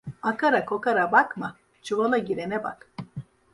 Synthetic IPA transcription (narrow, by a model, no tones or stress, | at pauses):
akaɾakʰokaɾabakma | t͡ʃuvalˠaɟiɾɛnɛba̰k